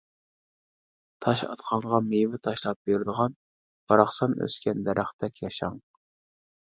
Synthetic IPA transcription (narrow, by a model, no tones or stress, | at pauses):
t̪ʰɑʃɑ̰t̪χʰɑɴʁɑmevɪt̪ʰɑʃlˠɑp̚beɾd̪əʁɑn | b̥ɑɾɑχsɑnø̰skʲʰɛnd̪ɛɾʔæχt̪ɛkʲʰjɑʃɑŋ